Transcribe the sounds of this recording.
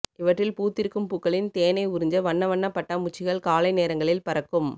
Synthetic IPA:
ɪʋɐʈrɪlpuːt̪ːɪɾɯkːɯmpukːɐɭɪnt̪eːnɐɪʊɾɪɲd͡ʒɐʋɐɳːɐʋɐɳːɐpːɐʈːɐmʊt͡ʃːɪɣɐɭkaːlɐɪneːɾɐŋɡɐɭɪlpɐɾɐkːɯm

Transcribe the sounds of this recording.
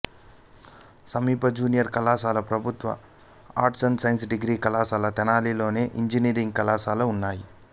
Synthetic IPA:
sɐmiːpɐd͡ʒuːnijɐɾkɐlaːsaːlɐpɾɐbʱut̪ʋɐ̰ | aːɾʈsɐnsɐjnsɖiɡɾiːkɐlaːsaːlɐt̪ɛnaːlilo̞ːne̞ːʔiɲd͡ʒiniːɾiŋɡ̚kɐlaːsaːlounːaːji

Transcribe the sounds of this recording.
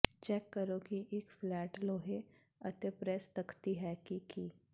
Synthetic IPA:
t͡ʃɛːkːəɾokiʔekflɛːʈloːɦe | ɐt̪epɾɛst̪ɐkʰt̪iɦɛkiki

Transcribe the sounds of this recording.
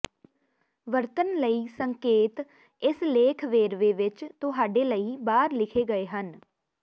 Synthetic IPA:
ʋəɾt̪ənləiːsəŋkeːt̪ | ɪsleːkʰʋeːɾʋeːʋɪt͡ʃt̪ʊɦaːɖeːləiːbaːɾlɪkʰeːɡəeːɦən

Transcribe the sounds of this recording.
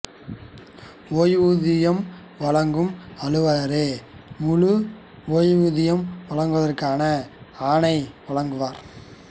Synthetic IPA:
oːjʋuðɪjɐm | ʋɐɭɐŋɡɯmɐɻɯʋaːɾeːmʊɻu | oːjʋuðɪjɐmʋɐɭɐŋɡɯʋɐðɐrkaːnɐaːnɐɪʋɐɭɐŋɡɯʋaːɾ

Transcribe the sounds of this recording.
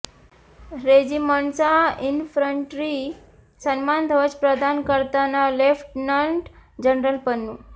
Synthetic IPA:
ɾed͡ʑiməɳsainfɾəɳʈɾi | sənmand̪ʱəʋət͡ɕpɾəd̪ankəɾt̪analefʈnaɳʈd͡ʑənɾəlpənːu

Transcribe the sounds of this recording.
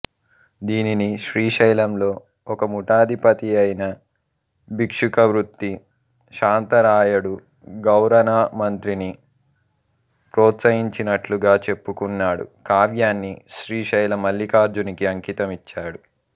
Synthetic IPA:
d̪iːniniʃɾiːʂɐjlɐmlo̞ː | ɔkɐmuʈaːd̪ʱipɐt̪iɐjnɐ | bikʂukɐʋɾut̪ːi | ʃaːnt̪ɐɾaːjɐɽu | ɡɐwɾɐnaːmɐnt̪ɾini | pɾoːt̪sɐɦiɲt͡ʃinɐʈluɡaːt͡ʃe̞pːukunːaːɽṵkaːʋjaːnːiʃɾiːʃɐjlɐmɐlːikaːɾd͡ʒunikiɐŋkiːt̪ɐmit͡ʃːaːɽu

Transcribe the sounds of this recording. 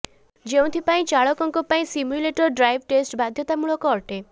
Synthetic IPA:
d͡ʒeũt̪ʰipaĩt͡ʃaɭɔkɔŋkɔpaĩsimjuleʈɔɾɖɾajbʱʈesʈbad̪ʱjɔt̪amuɭɔkɔːʈe

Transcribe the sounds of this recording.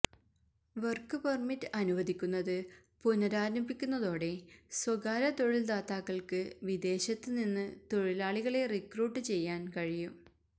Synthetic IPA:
ʋɐrkːɨpɐrmitːɨɐnuʋɐd̪ikʲːunːɐðɨ | punɐɾaːɾɐmbikʲːunːɐðo̞ːɽe̞swɐɡaːɾɐt̪oɻild̪aːt̪ːaːkːɐɭkɨʋid̪e̞ːɕɐt̪ːɨninːɨt̪o̞ɻilaːɭiɣɐɭe̞rikruːʈːɨt͡ɕe̞jːaːnkɐɻijum

